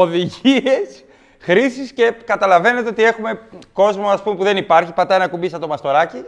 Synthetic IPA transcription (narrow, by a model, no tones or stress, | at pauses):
o̞ðiʝie̞s | xɾisisce̞kɐt̪ɐlɐve̞ne̞t̪eo̞t̪ie̞xume̞ko̞zmo̞ɐspumepuðe̞nipɐɾçipɐt̪ɐenɐkumbisɐt̪o̞mɐst̪o̞ɾɐci